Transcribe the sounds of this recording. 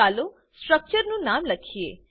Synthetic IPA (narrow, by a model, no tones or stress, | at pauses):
aːlo | sʈɾək̚t͡ʃəɾnũnaːmləkʰiḛː